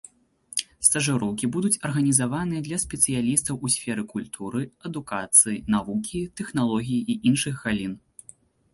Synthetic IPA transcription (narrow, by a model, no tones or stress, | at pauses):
st̪ɐʐɨɾɔwkʲibud̪ut͡sʲɐrɣɐnʲizavanɨjɐd̪lʲɐsʲpʲɛt̪sɨjalʲist̪ɐwʔusʲfʲɛɾɨkulʲt̪ʰuɾɨɐd̪ukat̪sɨjinavukʲit̪ɛxnalˠɔɣʲijiʔiʔinʂɨxɣalʲin